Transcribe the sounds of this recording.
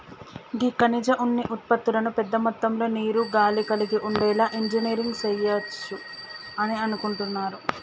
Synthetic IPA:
ɡikɐnid͡ʒɐʔunːiʔut̪̚pɐt̪ːulɐnupɛd̪ːɐmɐt̪ːɐmlo̞ːniːɾuɡaːlikɐliɡiʔuɳɖɛːlaːʔiɲd͡ʒiniːɾiŋɡsɐjɐt͡ʃːu | ɐniɐnukuɳʈunːaːɾu

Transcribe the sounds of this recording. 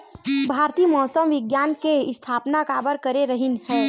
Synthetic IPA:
bʱaːɾt̪iːmɔːsəmʋɪɡjaːnkeɪst̪ʰaːpnakaːbəɾkɐɾeɾəɦɪnhɛ̃ː

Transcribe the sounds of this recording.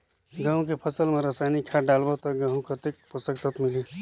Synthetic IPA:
ɡəɦũkepʰəsəlmeɾəsajnikʰaɖalbət̪ɔɡəɦũkʰət̪ek̚pusəkt̪ət̪mili

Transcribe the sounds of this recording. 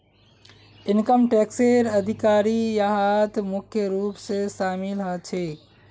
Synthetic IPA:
ɪnkəmʈeːkseɾɐd̪ʱɪkaːɾijaɦat̪mʊkʰjəɾuːpseʃaːmɪlɦət͡ʃʰeː

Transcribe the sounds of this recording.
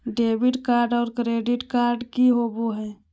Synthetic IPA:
ɖebiɖkaɾɖɔːɾkɾeɖiʈkaɾɖkiɦoboɦɛː

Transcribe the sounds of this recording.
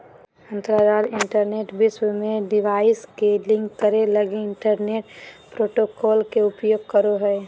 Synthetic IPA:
ə̃nt̪ɾaɾaːlɪ̃ɳʈəɾneːʈbɪswmẽɖɪʋaːɪskelɪ̃ŋkːəɾeləɡeɪɳʈəɾneːʈpɾoːʈokɔːlkeʊpjoːɡ̚kəɾoɦɛː

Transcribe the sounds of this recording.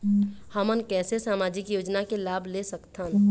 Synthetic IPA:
həmənkɛːsesaːmaːd͡ʒɪkjoːd͡ʒnakelaːbʱlesəkt̪ʰən

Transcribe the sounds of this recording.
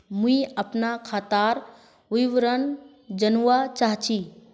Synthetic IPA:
mũiəpnakʰat̪aɾ | ujʋɾən | d͡ʒənuwat͡ʃaɦt͡ʃʰi

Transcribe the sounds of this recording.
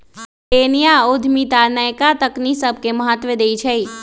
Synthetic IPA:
tenijaod̪ʱmit̪anəjkat̪əknisəb̚keməɦat̪ʋed̪ejt͡ʃʰej

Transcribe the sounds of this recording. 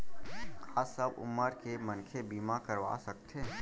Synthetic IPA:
kaːsəbʊ̰məɾkemɐ̃nkʰebiːmakɐɾʋa̰sɐk̚t̪ʰeː

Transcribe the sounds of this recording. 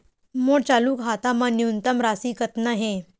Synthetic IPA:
moɽt͡ɕaluːkɦat̪amaniunt̪əmɾasiːkət̪naɦẽ

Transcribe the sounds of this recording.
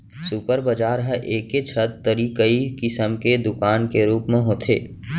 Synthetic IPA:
supəɾbəd͡ʒaːɾɦəʔeːket͡ʃʰət̪t̪ːəɾiːkəikɪsəmked̪ʊkaːnkeɾuːpmẽɦoːt̪ʰeː

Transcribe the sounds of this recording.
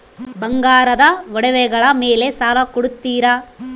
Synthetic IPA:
bɐŋɡaːɾɐd̪ɐʋɔɽɛʋɛɡɐɭɐmeːlesaːlɐkɔɽut̪ːiːɾɐ

